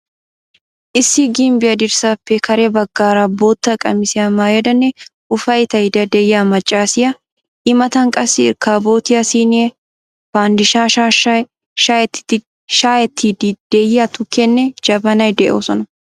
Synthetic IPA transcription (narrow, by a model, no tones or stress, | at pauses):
ʔɪsːɪɡɪmbɪɐd̪ɪɾsapːekɐɾebɐɡːaːɾaːboːt̪ːɐkʼɐ̰mɪsɪɐmːaːjɛd̪ɐnːɛ | ʊfɐjt̪ɐɪd̪ɐd̪ɛjɐmɐt͡ʃʼːaːsɪjɐ | ʔɪmɐt̪ɐŋkʼɐsːɪɪ̰ɾkaːbo̞ːt̪ɪɐsiːnɪɛ | faːnd̪ɪʃaːʃ | ʃt̪ːɪ̥ | ʃaːjɛt̪ʰːid̪d̪̥ejɐt̪ʊkːɛnːɛd͡ʒɐbɐnɐjd̪ɛʔo̰ːsɔnɐ